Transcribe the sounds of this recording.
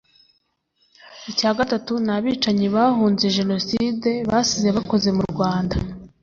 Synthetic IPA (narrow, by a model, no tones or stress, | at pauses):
icaːɡatatunaβiːt͡ʃaɲiβahuːnze̞ʒe̞no̞side̞βasize̞βako̞ze̞muɾɡwaːnda